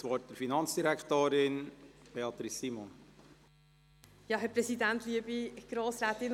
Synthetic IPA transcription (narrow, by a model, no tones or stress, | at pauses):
sʋɔt̚d̥̪əɾfinɑnt͡sd̥iɾækt̪oːɾɪnb̥eɑt̪ɾisːimɔn | jɑɦɛpɾɛsidænt̪liəbiɡ̥ɾoːsɾæːt̪ɪn